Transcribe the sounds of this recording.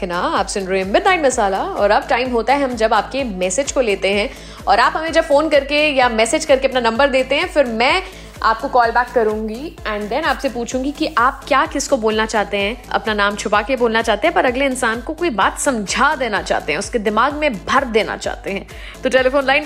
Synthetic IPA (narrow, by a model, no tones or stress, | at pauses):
knaaːpsʊ̃nɖɾẽmbɪd̪naːɪnmɐsaːlaɔːɾɐb̚ʈaːɪmɦoːt̪aɦɛɦɐ̃md͡ʒɐbaːp̚kemɛːsɪd͡ʒkoleːt̪eɦɛ̃ | ɔ̰ːɾaːpɦɐmẽd͡ʒɐbfoːnkɐɾkejamɛːsed͡ʒkɐɾkeɐpnanɐ̃mbəɾd̪eːt̪eɦɛ̃fɪɾmɛ̃ː | a̰ːp̚kokɔːlbæːkːɐɾũːŋɡiɛ̃ːɳɖd̪ɛnaːpsepuːt͡ʃʰũːɡikiʔaːp̚kjaːkɪskoboːlnat͡ʃaːɦt̪eɦɛ̃ɐ̰pnanaːmt͡ʃʰʊpakeboːlnat͡ʃaːɦt̪eɦɛ̃pɐɾɐɡleɪnsaːnkokoːibaːt̪sɐ̃md͡ʒʱad̪eːnat͡ʃa̰ːɦt̪eɦɛ̃ʊsked̪ɪmaːɡmẽbʱɐɾd̪eːna̰t͡ʃa̰ːɦt̪eɦɛ̃ː | t̪oʈeːlefoːnlaːɪn